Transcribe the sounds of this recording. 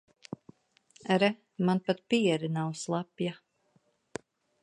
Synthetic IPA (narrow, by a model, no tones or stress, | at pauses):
ɾɛ | manpat̪̚piɛɾinawslˠapja